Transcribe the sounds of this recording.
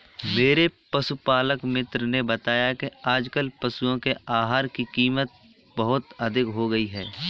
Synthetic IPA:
meːɾepɐsupaːləkmɪt̪ɾənebɐt̪aːjakeaːd͡ʒkəlpɐsuõkeaːɦaːɾkikiːmət̪̚ | bɐɦʊt̪ɐd̪ʱɪkɦoɡɐiɦɛː

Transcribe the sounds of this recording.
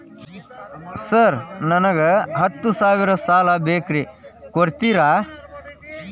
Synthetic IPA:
sɐɾnɐnɐɡɐɦɐt̪ːusaːʋiɾɐsaːlɐbeːkɾi | koɾt̪iɾaː

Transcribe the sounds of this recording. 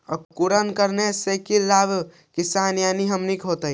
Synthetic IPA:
ə̰kkuɾənkəɾnesekillab | kisanjaniɦəmnikɦot̪əj

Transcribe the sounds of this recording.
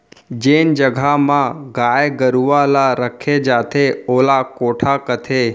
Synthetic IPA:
d͡ʒeːnd͡ʒəɡʱamãɡajɡəɾuʋalaɾəkʰed͡ʒaːt̪ʰeoːlakoːʈʰakət̪ʰe

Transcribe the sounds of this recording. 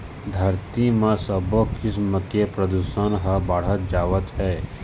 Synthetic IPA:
d̪ʱəɾt̪imãsəbokɪsməkepɾəd̪usənɦəbaːɽ̤ət̪̚d͡ʒaːʋət̪ɦɛː

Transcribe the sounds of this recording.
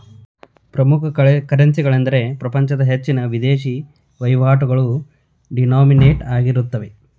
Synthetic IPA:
pɾɐmukʰɐkɐɾensiɡɐɭend̪ɐɾe̞pɾɐpɐɲt͡ʃɐd̪ɐɦet͡ʃːinɐʋid̪eːʃi | ʋɐjʋaːʈuɡɐɭu | ɖinaːmineːʈaːɡiɾut̪ːɐʋe̞

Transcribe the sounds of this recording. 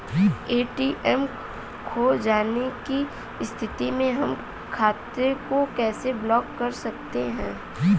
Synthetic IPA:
eːʈiʔɛm | kʰoːd͡ʒaːneki | ɪst̪ʰɪt̪imẽɦɐm | kʰaːt̪ɾekokɛːseblɔːkːɐɾsɐk̚t̪eɦɛ̃ː

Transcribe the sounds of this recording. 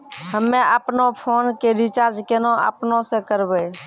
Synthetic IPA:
həmːeəpnopʰoːnkeɾit͡ʃaɾd͡ʒkenoə̰pnosekəɾbɛ

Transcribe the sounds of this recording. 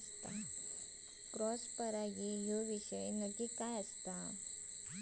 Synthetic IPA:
t̪a | pɾɔspəɾaɦiɦoʋiɕəjnəd͡ʑikajəst̪a

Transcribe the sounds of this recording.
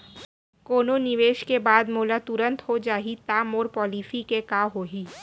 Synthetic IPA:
koːnonɪʋeːʃkebaːd̪moːlat̪ʊɾə̃nt̪ɦod͡ʒaːɦit̪aːmoːɾpɔːliːsikekaːɦoːɦiː

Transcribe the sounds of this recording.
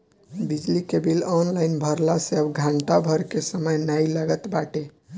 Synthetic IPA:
bid͡ʒlikebilɔnlaɪnbʱəɾlaseəbɡʱãɳʈabʱəɾkesəməjnajlaɡət̪baʈe

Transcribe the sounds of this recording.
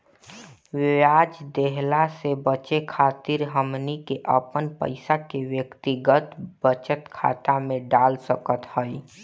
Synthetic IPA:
ʋɪad͡ʒd̪eɦlasebət͡ʃekʰaːt̪iɾɦəmnikeʔəpənpə̰ɪsakeʋjəkt̪iɡət̪bət͡ʃət̪kʰa̰t̪amẽɖalsəkət̪həi

